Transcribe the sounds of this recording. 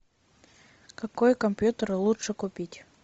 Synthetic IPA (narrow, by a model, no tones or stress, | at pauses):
kɐkojkɐmʲpʲjut̪əɾɨlˠut͡ʂɨkʊpʲitʲ